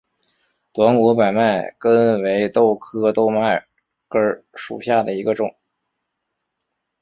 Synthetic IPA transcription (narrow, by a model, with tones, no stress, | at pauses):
t̪wa˧˥nu˧˥pa˨˩ɪma˥˩ɪkə˥nwe˧˥ɪt̪o˥˩ʊkʰɤ˥t̪o˥˧ʊma˥˩ɪ | kə˞˥ʂṵ˨˩ɕja˥˩d̪ə˩i˧˥ɡə˧ʈ͡ʂʊ̰˨˩˦